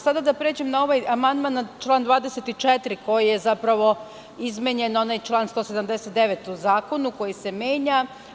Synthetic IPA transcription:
sad̪ad̪apɾeːd͡ʑemnao̞ʋajamand̪manat͡ʃlˠaːnd̪ʋaːd̪eset̪it͡ʃet̪ɾiko̞jijezapɾaʋo̞ | izmeɲe̞no̞najt͡ʃlˠaːnst̪o̞ːse̞d̪amd̪eset̪̚d̪eʋet̪uzaːko̞nuko̞jise̞mjeːɲa

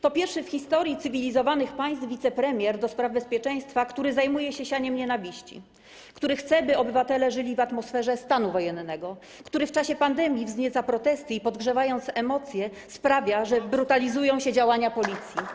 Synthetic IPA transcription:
t̪ɔpʲjɛɾfʂɘfxʲist̪ɔɾʲjit̪sɘvʲilʲizɔvanɘxpaj̃st̪vʲit̪sɛpɾɛmʲjɛɾd̪ɔspɾavbɛspʲjɛt͡ʂɛj̃st̪fakt̪uɾɘzajmujɛɕɛɕaɲɛmɲɛnavʲiɕt͡ɕḭ | kt̪uɾɘxt̪sɛbɘɔbɘvat̪ɛlɛʐɘlʲivat̪mɔsfɛʐɛst̪anuvɔjɛnːɛɡɔ | kt̪uɾɘft͡ʂaɕɛpand̪ɛmʲjivzɲet̪sapɾɔt̪ɛst̪ɘipɔd̪ɡʐɛvajɔnt̪sɛmɔt̪sʲjɛ | spɾavʲjaʐɛbɾut̪alʲizujɔ̃w̃ɕɛd͡ʑawaɲapɔlʲit̪sʲji

